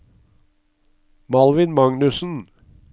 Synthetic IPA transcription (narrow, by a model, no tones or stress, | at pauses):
mɑlʋɪnmɑŋnʉsn̩